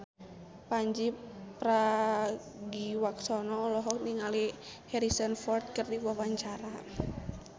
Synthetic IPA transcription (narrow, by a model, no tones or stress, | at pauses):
paɲd͡ʒipɾa | ɡiwaksɔnɔːlɔɦɔk̚niŋalihɛɾisənfɔrt̪̚kərdiwuawaɲt͡ʃaɾa